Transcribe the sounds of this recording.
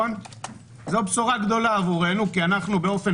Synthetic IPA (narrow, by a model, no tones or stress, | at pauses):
on | zobsuʁaɡd̪o̞laːvuʁe̞nukianaχnubeo̞fe̞